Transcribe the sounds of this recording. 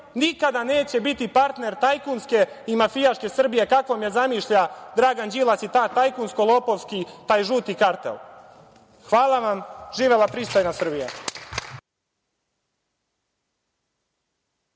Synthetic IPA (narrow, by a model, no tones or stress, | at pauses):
nikad̪ane̞ːt͡ɕe̞bit̪ipaɾt̪ne̞ɾt̪ajkunske̞ | imafijaʃke̞sr̩bije̞kakʋomjezamiʃʎad̪ɾaːɡand͡ʑilˠasit̪aːt̪ajkunskolˠoːpo̞ʋskit̪aːjʒuːt̪ikaɾt̪ḛl | xʋaːlˠaʋamʒiːʋelapɾiːst̪ojnasr̩bijḛ